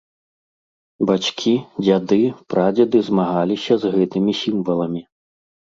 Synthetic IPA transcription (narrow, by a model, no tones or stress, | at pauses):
bat͡ʃkʲʰid͡zʲad̪ɨpɾad͡zʲɐd̪ɨzmaɣalʲisʲɐzɣɛt̪ɨmʲisʲimvɐlˠɐmʲi